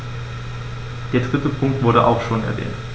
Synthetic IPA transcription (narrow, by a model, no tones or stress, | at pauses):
d̥eːɐdʁ̥ɪtəpʰʊŋk̚tv̥ʊɐɾəʔa̰ʊxʃoːnɛɐvɛ̰ːnt